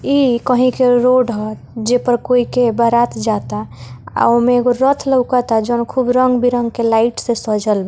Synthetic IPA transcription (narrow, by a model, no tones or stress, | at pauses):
ikəɦĩkeɾoɖɦə | d͡ʒepəɾkoikebəɾat̪d͡ʒat̪aa̰omẽɡoɾət̪ʰləwkat̪ad͡ʒəːnkʰubɾəŋɡbʱiɾə̃ŋɡkelaɪʈsẽsəd͡ʒəlbɛ